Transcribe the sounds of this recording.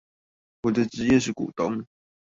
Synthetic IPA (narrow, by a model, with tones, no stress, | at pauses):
wɔ˨˩ə˥ʈ͡ʂɻ̩˧˥jɛ˥˧ʂ̬̩˥˩kṵ˨˩t̪ʊ˧˥˦ŋ